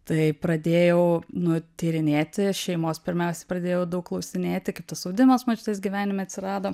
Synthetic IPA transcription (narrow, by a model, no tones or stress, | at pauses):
t̪ɐɪpɾɐd̪ʲeːjɛʊnʊt̪ʲiːɾʲɪnʲeːt̪ʲɪʃʲɛɪmoːspʲɪɾʲmʲɛʊsʲɛpɾɐd̪ʲeːjɛʊd̪ɐʊkklˠɐʊsʲɪnʲeːt̪ʲɪkɐɪp̚t̪ɐsoʊd̪ʲɪmosmot͡ʃʲɪt̪es̬ɡʲiʋʲæːnʲɪmʲeɐt̪ʲsʲɪɾɑːd̪oː